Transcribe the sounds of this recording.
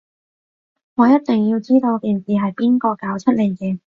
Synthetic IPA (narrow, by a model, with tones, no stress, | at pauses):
ŋɔː˨˧jɐ˥t̚t̪ɪ˨ŋjiː˧wt͡siː˥t̪o˧wkiː˨nsiː˨˩ɦɐ˨jpiː˥nkɔː˧kaː˨˥wt͡sʰɐ˥t̚liː˨˩ŋkiː˨˧